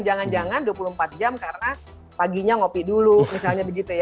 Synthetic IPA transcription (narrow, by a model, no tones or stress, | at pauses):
nd͡ʒaŋand͡ʒaŋanduapuluhəmpat̪̚d͡ʒamkarəna | paɡiɲaŋopidulumisalɲabəɡit̪uja